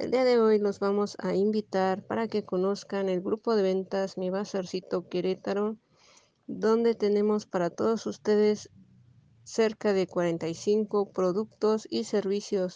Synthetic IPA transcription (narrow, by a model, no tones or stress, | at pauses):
eld̪iaðe̞o̞jno̞zβamo̞sa̰imbit̪aɾpa̰ɾake̞ko̞no̞skane̞lɡɾupo̞ðe̞βe̞nt̪asmiβasaɾsit̪o̞keɾet̪aɾo | d̪o̞nd̪e̞t̪e̞ne̞mo̞spaɾat̪o̞ðosust̪e̞ðe̞sː | e̞ɾkaðe̞kwaɾe̞nt̪ajsiŋko̞pɾo̞ðuk̚t̪o̞sise̞ɾβisjo̞s